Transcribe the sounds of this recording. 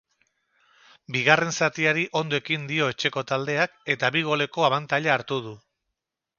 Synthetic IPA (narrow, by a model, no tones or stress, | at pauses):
biɣ̞are̞nsat̪iaɾiʔo̞nd̪oe̞kind̪io̞e̞t͡ʃe̞ko̞t̪ald̪e̞ake̞t̪aβiɣ̞o̞le̞ko̞aβant̪aʎaːɾt̪uð̞u